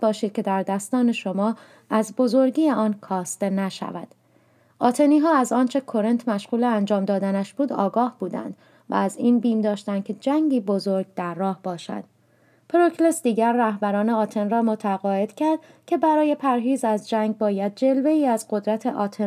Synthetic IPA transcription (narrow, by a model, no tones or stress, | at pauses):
bɒːʃiːd̪̚cʰe̞d̪æɾd̪æst̪ɒːne̞ʃo̞mɒː | æzbo̞zo̞ɾɟiːjeɒːnkʰɒːst̪e̞næʃæ̰væ̰d̪̥ | ɒːt̪ʰe̞niːɦɒːæzɒːnt͡ʃʰe̞kʰo̞ɾent̪ʰmæʃʁuːleænd͡ʒɒːmd̪ɒːd̪ænæʃbuːd̪ɒ̰ːɡɒːhb̥uːd̪æ̰nd̪ | væ̰ːziːnbiːmd̪ɒːʃt̪ænd̪kʲcʰe̞d͡ʒæŋɡiːbo̞zo̞ɾɡ̚d̪æɾːɒːhb̥ɒːʃæ̰d̪̥ | pʰɾokʰlesd̪iːɟæɾːæhbæɾɒːneɒːt̪ʰe̞nrɒːmo̞t̪ʰæɣɒːe̞d̪̥cʰæɾd̪̥cʰe̞bæɾɒːje̞pʰæɾɦiːzæzd͡ʒæŋɡ̚bɒːjæd̪̚d͡ʒe̞lve̞iːæzɢo̞d̪ɾæt̪ʰeʔɒːt̪ʰe